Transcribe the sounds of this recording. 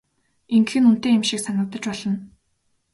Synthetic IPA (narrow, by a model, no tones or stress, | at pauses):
eŋɡxɘ̆nun̥t̪eːemʃiksanə̆k̚t̪ə̆t͡ɕpɔɮɞ̆n